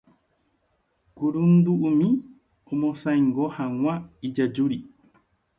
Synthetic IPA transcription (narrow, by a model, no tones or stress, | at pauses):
kuɾund̪uʔumĩ | umosaiŋɡohaŋwaid͡ʒad͡ʒuɾi